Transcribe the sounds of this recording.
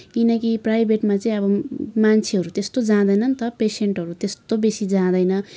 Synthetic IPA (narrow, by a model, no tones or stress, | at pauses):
kinʌkiprajbʱeʈmat͡saĩʌbʌmant͡sʰeɦʌɾut̪est̪od͡zãd̪ʌjnʌnt̪ʌpeseɳʈɦʌɾut̪est̪obesid͡zãd̪ʌjnʌ